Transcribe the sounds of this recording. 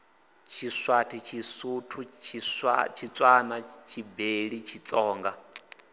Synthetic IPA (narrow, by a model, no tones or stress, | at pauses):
t͡ʃʰiswatʰit͡ʃʰisutʰut͡ʃʰit͡ʃʰit͡sʼwanat͡ʃʰibeɺit͡ʃʰit͡sʼɔːŋɡa